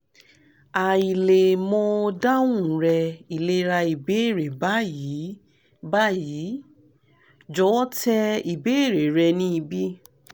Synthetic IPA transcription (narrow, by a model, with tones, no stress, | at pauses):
a˨i˨le˨mɔ̃˧o˧da˦ũ˦˨ɾɛ˧i˨le˧ɾa˧i˨be˨˦˨ɾe˨ba˦ji˨˦ | ba˦˨ji˨˦ | d͡ʒɔ˨˦tɛ˦˧i˨be˨˦e˦˨ɾe˨ɾɛ˧nĩ˦i˧bi˦